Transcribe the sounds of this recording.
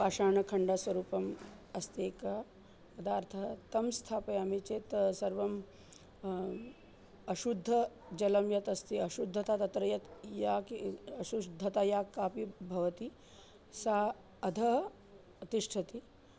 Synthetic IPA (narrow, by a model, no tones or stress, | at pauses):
paːʃaːɳɐkʰɐɳɖaːsʋɐɾuːpɐm | ɐst̪eːkɐ | pɐd̪aːɾt̪ʰɐɦɐt̪ɐmst̪ʰaːpɐjaːmet͡ʃeːt̪sɐɾʋɐm | ɐʃud̪ʱːɐ | d͡ʒɐlɐmjɐt̪ɐst̪iɐʃud̪ʱːɐt̪aːt̪ɐt̪ɾɐjɐt̪jaːkɐʃud̪ʱːɐt̪aːjaːkːaːpibʱɐʋɐt̪i | sa | ɐd̪ʱɐɦ | ɐt̪iʂʈʰɐt̪i